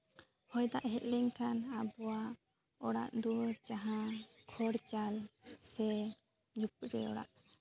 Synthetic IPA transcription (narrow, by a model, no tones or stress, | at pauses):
hɔjd̪aʔɦɛt̪̚lɛŋkʰanabɔwa | ɔɽa̰ʔd̪uɾd͡ʒaɦãkʰɔɽt͡ʃalsɛ | ɲup̚ɾɛ̰ɔ̰ɽa̰ʔ